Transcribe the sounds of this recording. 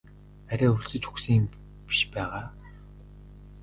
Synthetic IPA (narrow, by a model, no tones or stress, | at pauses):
æɾʲæːɵɮsɵ̆t͡ɕxu̥ksiːŋm | pi̥ʃpæːʁaː